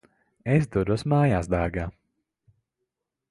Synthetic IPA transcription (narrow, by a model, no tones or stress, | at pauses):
esd̪uɾusmaːjaːsd̪aːɡaː